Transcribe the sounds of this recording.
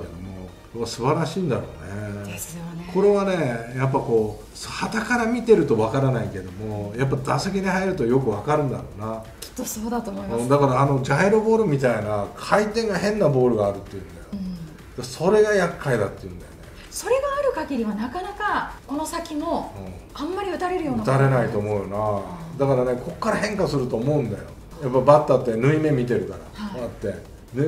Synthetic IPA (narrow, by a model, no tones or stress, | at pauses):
ked̪o̞̰mo̞o | japːasɨbaɾaɕiːnd̪a̰ɾo̞̰ːneesjokʰo̞ɾe̞β̞ane̞jap̬ːako̞ː | shat̪akaɾamʲit̪e̞ɾɯ̟t̪o̞βakaɾanaike̞d̪o̞mo̞jap̬ːaid̪asek̬ʲiɲ̟ihaiɾɯ̟t̪ojo̞k̬ɯ̟βakaɾɯ̟̃nd̪aɾo̞ːna | kʲi̥t̪ːosoːd̪at̪omoiɯ̃ːd̪akaɾaːno̞d͡ʑaeɾobo̞ːɾɯ̟mʲit̪ainakʰait̪ẽ̞ŋɡahẽ̞nːabo̞ːɾɯ̟ɡaːɾɯ̟t̪ːejɯ̟̃nd̪ajo | d̪̥aso̞ɾe̞ɡajakʰːaid̪at̪ːeɯ̟̃nd̪ajone | so̞ɾe̞ɡaːɾɯ̟kaɡʲiɾʲiβanakanakako̞no̞sakʲimo̞ɯ̃ː | ãmːaɾʲiɯ̟t̪aɾe̞ɾɯjo̞ːnɯt̪aɾe̞nait̪o̞ːmo̞ɯjonad̪akaɾanekʰo̞kːaɾaɦẽ̞ŋkasɨɾɯ̟t̪o̞ːmo̞ɯ̃nd̪a̰jo̞̰ | japːabat̪ːat̪ːe̞nɯ̟ime̞mʲit̪e̞ɾɯ̟kaɾa̰aat̪ːe̞ | n